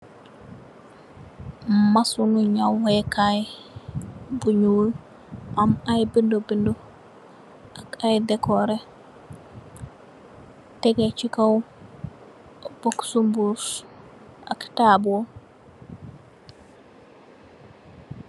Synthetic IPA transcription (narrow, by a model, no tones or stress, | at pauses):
masunuɲawwekaj | buɲuw | amajbindobindo | akajdɛkɔɾe | teɡet͡ʃikaw | b̥oksumbus | ʔa̰ktabuo